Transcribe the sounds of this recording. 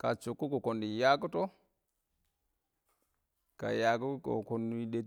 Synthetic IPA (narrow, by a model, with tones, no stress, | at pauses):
ka˨t͡ʃu˨kːu˦ko˨ko˨ndi˨ja˦ku˦to˦ | ka̰˨ja˨ku˦ko̰˨ko˨nu˦ɗe˦